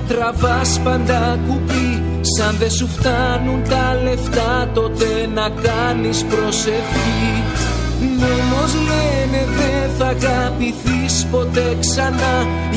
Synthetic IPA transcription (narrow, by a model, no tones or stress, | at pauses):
t̪ɾɐvɐspɐnd̪ɐkupi | sɐnðe̞suft̪ɐnunt̪ɐle̞ft̪ɐt̪o̞t̪e̞nɐkɐ | nispɾo̞se̞fçi | momozleneðe̞nθɐɣɐpiθispo̞t̪e̞ksɐnɐ